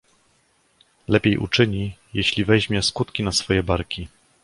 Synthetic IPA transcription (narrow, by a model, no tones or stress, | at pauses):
lɛpʲjejʔṵt͡ʂɘɲijeɕlʲivɛʑmʲjɛskut̪kʲinasfɔjɛbaɾkʲi